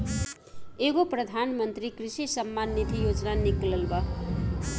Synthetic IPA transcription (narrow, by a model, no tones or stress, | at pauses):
eɡoprʌd̪ʱanmʌnt̪rikrisisʌmːanːit̪ʰijod͡znaniklʌlbʌ